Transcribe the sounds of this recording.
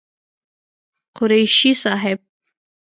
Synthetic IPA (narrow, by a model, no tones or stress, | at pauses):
qʊɾejʃisaːɦeb̚